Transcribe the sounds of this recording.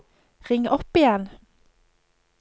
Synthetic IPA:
ʁɪŋʔɔpɪjɛn

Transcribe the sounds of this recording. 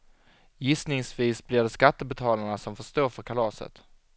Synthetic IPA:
jɪsnɪŋsviːsblɪɖɛskat̪ːəbɛt̪ʰɑːlaɳasɔmfœʂt̪oːɾfœɾkʰalɑːsə̰t̪

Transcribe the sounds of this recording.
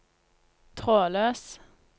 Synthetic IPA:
t̪ʰʁoːløːs

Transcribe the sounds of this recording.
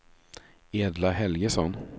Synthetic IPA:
eːd̪laɦɛlɡəsɔn

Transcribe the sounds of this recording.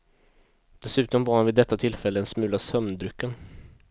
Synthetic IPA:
d̪̥ɛsʉ̟ːt̪ɔmvaɾhanvɪd̪ːɛt̪ːat̪ʰɪlfɛlːəɛnsmʉ̟ːlasœmnd̪ɾʏkːən

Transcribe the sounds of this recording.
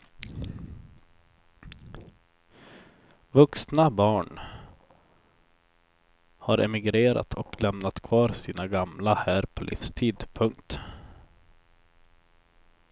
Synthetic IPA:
vɵksnabɑːɳ | haɾʔɛ̰mɪɡɾeːɾa̰t̪ʰɔklɛmnat̪kʰvɑːɾsiːnaɡamlahæːɾpʰɔlʔḭːfst̪ʰiːd̪pʰɵŋkt̪

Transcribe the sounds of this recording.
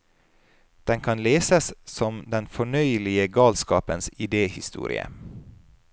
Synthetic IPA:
d̪̥ɛŋkʰɑnleːsəssɔmd̪ɛnfɔɳœʏlɪəɡɑːlskɑ̰ːpənsɪd̪eːhɪst̪ṵːɾɪ̰ə̰

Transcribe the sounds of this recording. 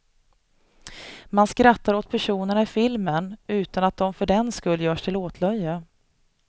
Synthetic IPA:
manskɾat̪ːaɾoːt̪̚pʰæʂuːnəɳaɪfɪlmənʉ̟ːt̪anat̪̚d̪ɔmfœɖɛnskɵlːjœːʂt̪ʰɪloːt̪ʰlœjːə

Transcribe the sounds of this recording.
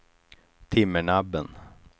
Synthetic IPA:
t̪ʰɪmːəɳabːən

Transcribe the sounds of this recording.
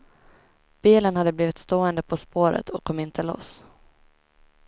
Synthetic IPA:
b̥iːlənhad̪ːəbliːvɪt̪st̪oːənd̪əpʰɔspoːɾə̰t̪ʰɔkʰːɔmːɪnt̪ʰəlo̰s

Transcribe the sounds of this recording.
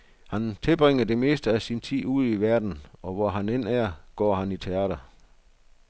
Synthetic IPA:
hænt͡sʰe̝b̥ʁeŋ̰ɐd̥e̝me̝̰ːsd̥əæsint͡sʰḭːuð̰ˠiʋæɐd̥n̩ɒ̽ʋɒɦænen̰æɐ̰ɡ̥ɒ̰ːɦænit͡sʰe̝æːd̥ɐ

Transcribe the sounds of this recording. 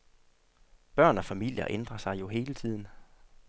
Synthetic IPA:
b̥ɶɐ̰nɒ̽fæmil̰jɐ̰ʔend̥ʁɐsɑ̈ɪjo̝ɦe̝ːlət͡sʰið̰ˠn̩

